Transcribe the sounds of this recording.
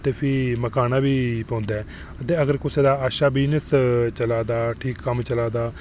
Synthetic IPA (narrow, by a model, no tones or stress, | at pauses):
t̪eːpʰɪməkaːnaːbiːpõːnd̪aːɛː | t̪eːəɡəɾkʊseːd̪aːaːʃaːbɪnəst͡ʃəlaːd̪aːʈʰiːkːəmt͡ʃəlaːd̪aː